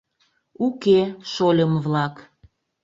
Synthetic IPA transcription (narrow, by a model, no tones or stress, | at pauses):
ukeʃolʲəmβlɑk